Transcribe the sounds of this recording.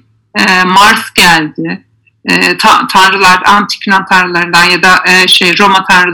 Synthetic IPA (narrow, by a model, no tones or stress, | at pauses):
ɛmaɾsɟælʲd̪ɪ | ɛt̪ʰat̪ʰanɾɯlˠaɾd̪a̰ant̪ʰi̥cʲʰinant̪ʰanɾɯlˠaɾɯnd̪anjad̪aʔʃejɾo̞mat̪ʰanɾɯ